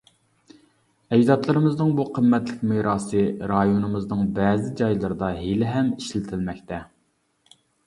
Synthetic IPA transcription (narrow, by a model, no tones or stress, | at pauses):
ɛd͡ʒd̪ɑt̪lˠɨɾɨmɨznɨŋbuqʰəmːɛt̪lɪkʲmeɾɑːsɨɾɑjonɨmɨznɨŋbɛːzɪd͡ʒɑjlˠɨɾɨd̪ɑɦelɪɦɛmiʃlɪt̪ʰɪlmɛk̚ʲt̪ʰɛ